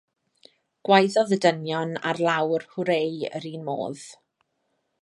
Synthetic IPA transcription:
ɡ̥wajðɔðədənjɔna̰rlˠawrhʊɾejə̰ɾiːnmo̰ːð̥

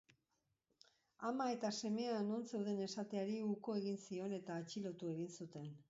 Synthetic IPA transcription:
amae̞t̪ase̞me̞ano̞nse̞wðe̞ne̞sat̪eaɾiuko̞e̞ɣ̞insio̞ne̞t̪aːt͡ʃilo̞t̪ue̞ɣinsut̪e̞n

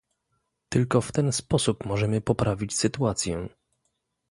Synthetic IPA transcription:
t̪ɘlkɔft̪ɛnspɔsupmɔʐɛmɘpɔpɾavʲit͡ɕsɘt̪uat̪sʲjɛ

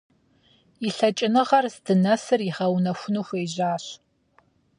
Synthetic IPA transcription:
iɬɐt͡ʃʼɪnɨʁɐrzdɨnɐsɨriχɐwnɐxʷʊnuxʷeːjʑaːɕ

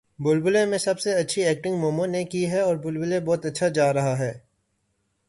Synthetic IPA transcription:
bʊlbʊlemẽsɐbseɐtːʃʰiɛːk̚ʈɪ̃ŋɡmoːmõnekiɦɛɔːɾbʊlbʊlebɔːt̪ɐtːʃʰad͡ʒaːɾɐɦaɦɛː

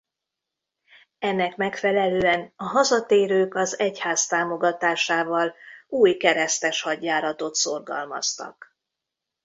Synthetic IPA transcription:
ɛnːɛkmɛkfɛlɛløːɛnɒɦɒzɒt̪eːɾøːkɒzɛchaːst̪aːmo̞ɡɒt̪aːʃaːvɒluːjkɛɾɛst̪ɛʃhɒɟːaːɾɒt̪o̞t̪so̞rɡɒ̰lmɒ̰st̪ɒ̰k

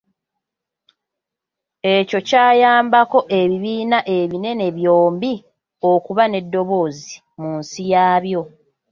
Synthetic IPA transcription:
e̞co̞caːjaːmbako̞ʔe̞βiβiːnaʔe̞βine̞ne̞βjoːmbi | o̞kuβane̞dːo̞βo̞ːzi | munsijaːβjo̞

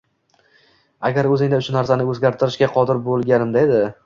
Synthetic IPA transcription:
aɡʲaɾɵzɪŋʲd̪aʊʃʊnaɾsanɪɵzɡʲaɾt̪ʰɪɾɪʃkʲaqʰɒd̪ɪɾbolˠɡʲanɪmd̪aed̪ɪ

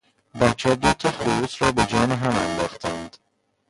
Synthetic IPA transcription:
bæt͡ʃʰːæːd̪ot̪ʰexuusɾɒːbed͡ʒɒːneɦæmænd̪ɒːxt̪ʰænd̪̥

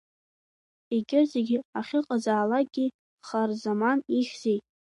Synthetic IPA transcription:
iɡʲɪzeɡʲiaχʲɪqʼazaːlaɡʲi | χarzamaniχʲz̥ej

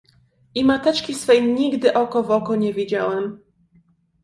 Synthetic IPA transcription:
ʔimat̪ɛt͡ʂkʲisfɛjɲiɡd̪ɘʔɔkɔvɔkɔɲɛvʲid͡ʑawɛm

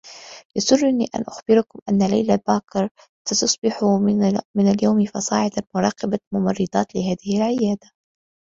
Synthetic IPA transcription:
jasʊrˤːʊniːʔa̰nʔʊxbɪɾʊkʊmʔanːala̰jlabaːkɾˤ | sat̪ʊsˤbɪħumɪnaljawmifɑsˤɑ̰ːʕɪd̪almʊɾˤɑːqɑbamʊmɑrˤːɨd̪ˤɑːt̪lɪɦaːðɪhalʕɪjaːd̪a

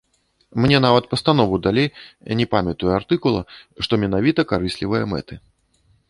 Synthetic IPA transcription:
mnʲɛn̪avɐt̪̚pɐst̪anɔvud̪alʲejnʲɛpamʲɛt̪ujɛart̪ɨkulˠɐ̰ʂt̪ɔmʲɛnavʲit̪ɐkaɾɨsʲlʲivɨjɐmɛ̰t̪ɨ

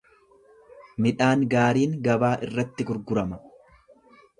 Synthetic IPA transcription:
mɪᶑaːŋɡaːɾiːŋɡɐbaːʔɪrːɐt̪ːɪɡʊɾɡʊɾɐmɐ

